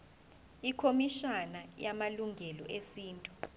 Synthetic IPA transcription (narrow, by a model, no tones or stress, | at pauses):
ikʰomiʃanajamaluŋʱɛlɔ̰ʔesiːntʼu